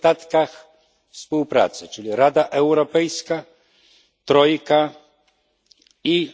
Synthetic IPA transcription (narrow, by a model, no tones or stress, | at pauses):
t̪at̪kax | fspuwpɾa̰t̪sɘt͡ʂɘlʲiɾad̪aʔɛwɾɔpɛjska | t̪ɾɔjka | i